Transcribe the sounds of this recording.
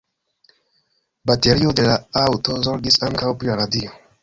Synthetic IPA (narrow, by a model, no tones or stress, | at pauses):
bate̞ɾiode̞laawto̞zoɾɡisaŋkawpɾilaɾadio